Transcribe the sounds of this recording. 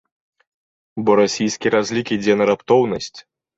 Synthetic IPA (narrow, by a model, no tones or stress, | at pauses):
bɔɾasʲijsʲkʲiɾazʲlʲikʲid͡zʲɛnɐɾapt̪ɔwnɐsʲt͡sʲ